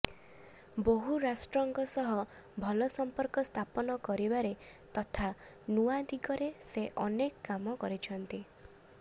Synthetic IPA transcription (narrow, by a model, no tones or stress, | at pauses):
boɦuɾasʈɾɔŋɡɔsɔɦɔ | bʱɔlɔsɔmpɔɾkɔst̪ʰapɔnɔkɔɾibaɾet̪ɔt̪ʰa | nuad̪iɡɔɾeseʔɔnekːamɔkɔɾit͡ʃʰɔnt̪i